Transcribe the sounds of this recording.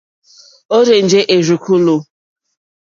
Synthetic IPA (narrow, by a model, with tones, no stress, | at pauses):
o˦ɾe˨n̩˨d͡ʒe˦ʔe˨ɾu˨kʷu˦lu˦